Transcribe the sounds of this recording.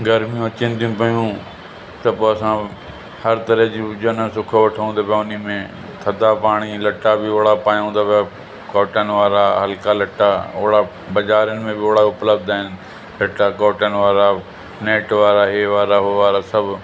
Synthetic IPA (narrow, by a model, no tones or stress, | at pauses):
ɡəɾmijũɐt͡ʃɪnt̪ʰijũpɐjũː | t̪ɐpoːɐsã | hɐɾt̪ɐɾəɦd͡ʒid͡ʒonə̃sʊkʰoʋɐʈʰõːnd̪apʰjaʊnimẽ | t̪ʰɐd̪apaːɽ̃ilɐʈabɪoːɽapaːjɦũːnd̪aːpʰja | kɔːʈənɪʋaːɾaːɦəlkalɐʈaoːɽa | bɐd͡ʒaːɾənɪ̆mẽbɪoːɽaʊpləbd̪aːɪn | lɐʈakɔːʈənɪʋaːɾa | neːʈʋaːɾaɦeːʋaːɾaɦʊʋaːɾasɐbʱ